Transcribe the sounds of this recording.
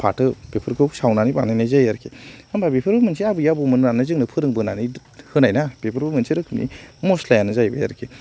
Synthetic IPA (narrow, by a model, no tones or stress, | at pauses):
pʰa̰tɯb̥epʰɯɾkʰɯsawnaniba̰najnajzajaɾkʰiambabepʰɯɾbɯmɯnsʰiabɯjabumɯnanazɯŋnɯpʰɯɾɯŋbɯnani | hɯnajnab̥epʰɯɾbɯmɯnsiɾɯkʰɯmnḭmoslajanɯzajbeja̰ɾkʰi